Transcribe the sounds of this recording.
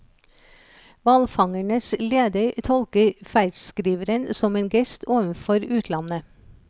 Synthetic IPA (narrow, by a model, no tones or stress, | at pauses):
ʋɑlfɑŋæɳəsleːd̪əɾt̪ʰɔlkəfæɪdskɾiːʋəɾənsɔmeːnɡɛst̪ʰoːʋən̩fɔɾʉːt̪ʰlɑnə